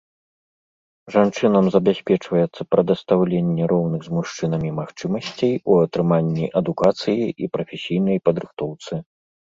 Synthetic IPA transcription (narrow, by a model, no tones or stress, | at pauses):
ʐant͡ʂɨnɐmzɐbʲasʲpʲɛt͡ʂvɐjɛt̪sːɐpɾɐd̪ɐst̪awlʲenʲːɛɾʔɔwnɨɣzmuʂt͡ʂɨn̪ɐmʲimaxt͡ʂɨmɐsʲt͡sʲejuɐt̪ɾɨmanʲːiʔɐd̪ukat̪sɨjiʔipɾɐfʲɛsʲijnɐjpɐd̪ɾɨxt̪ɔwt̪sɨ